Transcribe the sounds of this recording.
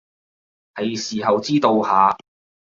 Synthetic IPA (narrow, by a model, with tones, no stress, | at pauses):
hɐ˨˧jsiː˨ɦɐ˨wt͡siː˥t̪o˧whaː˨˧